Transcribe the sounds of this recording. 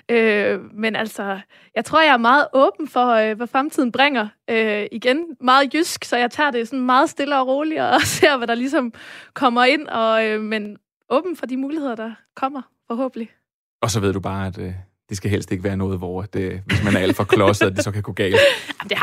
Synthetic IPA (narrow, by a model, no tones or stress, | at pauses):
ømenæl̰sɒ̽ | jɑ̈ɪt͡sʰʁo̝ɐ̰jɑ̈æɐmɑ̈ːð̞̩ˠʔɔ̽ːb̥n̩fɒʋæfʁamt͡sʰið̰ˠn̩b̥ʁaŋ̰ɐøiɡ̥enmɑ̈ːð̩ˠjysɡ̥sɒ̽jɑ̈ɪt͡sʰɑ̰̈ːd̥e̝sɒ̽nmɑ̈ːð̩ˠsd̥e̝ləɒ̽ʁo̝ːliɒse̝ɐ̰ʋæɾ̥ɑ̈lis̬ɒ̽mkʰɒ̽m̰ɐe̝n̰ɒ̽ømen | ʔɔ̽ːb̥n̩fɒ̽d̥imuːlihe̝ð̰ˠɐd̥ɑ̈kʰɒ̽m̰ɐ | fɒ̽ɦɔ̰̽ːb̥əl̩i | ɒ̽sɒ̽ʋe̝ð̞̰ˠd̥ub̥ɑ̈ːæd̥ | d̥isɡ̥æɦel̰sd̥e̝ɡ̥əʋæːɐnɔ̽ːð̞̩ˠʋɒæd̥eʋe̝smænɐæl̥fɒkʰlɒ̽səd̥isɒ̽kʰæɡ̥oɡ̥ɛ̰ːlm̩d̥e̝